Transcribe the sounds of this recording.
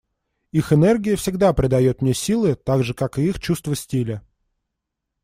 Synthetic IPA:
ixɨnɛrɡʲɪjəfsʲɪɡd̪apɾʲɪd̪ɐjo̞t̪mnʲesʲilˠɨt̪aɡʐɨkakɨixt͡ɕust̪vəsʲtʲilʲə

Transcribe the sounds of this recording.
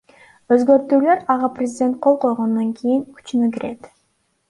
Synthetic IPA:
øzɡø̞ɾt̪yːløɾɑʁɑprʲɪzʲɪdʲe̞nt̪̚qʰo̞lˠqo̞jʁond̪oŋkʲʰijiŋkʰy̥t͡ʃynyk̬iɾʔe̞t̪

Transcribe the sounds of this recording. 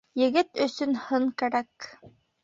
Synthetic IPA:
jɘ̆ɡɘt̪ɵ̆sɵnhɤŋkæɾæk

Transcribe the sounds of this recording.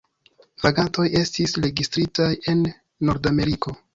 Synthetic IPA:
vaɡanto̞je̞stisɾe̞ɡistɾitaje̞nː | o̞ɾdame̞ɾiko̞

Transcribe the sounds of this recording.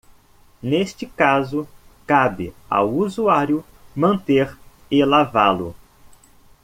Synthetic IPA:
nest͡ʃɪkazʊkabɪ̰a̰wuzuaɾjʊ | mɐ̃nt̪eɾ | ɪlavalʊ̰

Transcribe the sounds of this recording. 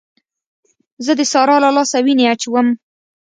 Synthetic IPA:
zəd̪əsɑɾɑlalɑsawineat͡ʃwəm

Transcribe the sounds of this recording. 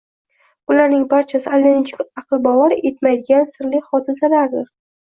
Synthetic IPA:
ʊlaɾnɪŋbaɾt͡ʃʰasɪalːenɪt͡ʃʰɪkʲɑqɨlˠbɒvɒɾʔe̞t̪majd̪ɪɡʲansɪɾlɪχɒd̪ɪzalaɾd̪ɪɾ

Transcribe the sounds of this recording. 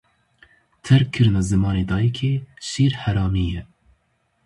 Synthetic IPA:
t̪ʰɛɾkʰːɨɾɨnɑzɨmɑːneːd̪ɑːjikʰeːʃiːɾhɛɾɑːmiːjɛ

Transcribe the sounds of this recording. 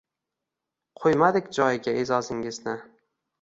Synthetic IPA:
qʰojmad̪ɪkʲd͡ʒɒjɪɡʲaezɒzɪŋɪznɪ

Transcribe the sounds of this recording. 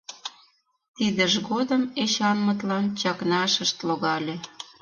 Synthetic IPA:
t̪id̪ə̆ʒɣod̪əmeɕɑnmə̆t̪lɑnt͡ɕɑknɑʃəʃt̪loɣɑlʲe

